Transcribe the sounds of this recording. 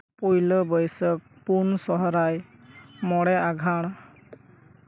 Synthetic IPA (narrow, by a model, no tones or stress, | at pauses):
pojləbəjsək̚punsɔɦɔɾajmɔɽɛaɡʱaɽ̃